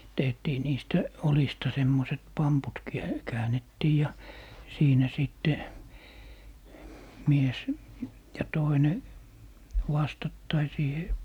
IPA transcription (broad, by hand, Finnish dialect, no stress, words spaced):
tehtiː niːstæ olistɑ semːoĭset pɑmput kiæ kæːnˑetːiː jɑ siːnæ siˑtːe mies jɑ toine ʋɑstɑtːɑi siːhe